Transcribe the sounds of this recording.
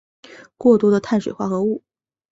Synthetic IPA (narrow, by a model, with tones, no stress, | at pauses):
kwɔ˥˩t̪wɔ˥d̪ə˧t̪ʰa˥˩nʂwe˨˩ɪxwa˥˩xɤ˧˥u˥˩